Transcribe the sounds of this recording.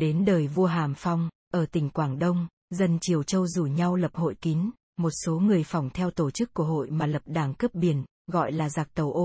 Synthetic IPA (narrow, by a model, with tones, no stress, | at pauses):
ɗe˨˦nɗəː˨˩jvu˧əɦaː˨˩mfa˧wŋ͡m | ʔəː˧˩t̪ï˨˩ŋ̟kwaː˧˩ŋɗə˧wŋ͡m | zə˨˩nt͡ɕi˨˩əwt͡ɕə˧wzu˧˩ɲa˧wlə˨˩p̚ho̰˧˨jki˨˦n | mo˨˩t̚so˨˦ŋɨ˨˩əjfɔ˨˩wŋ͡mt̪ʰɛ˧wt̪o˧˩t͡ɕɨ˦˥kːu˧˩əɦo̰˧˨jmaː˨˩lə˨˩p̚ɗaː˨˩ŋkə˦˥p̚ɓi˨˩ən | ɣɔ̰˧˨jlaː˨˩zaː˨˩k̚t̪ə˨˩wʔo˧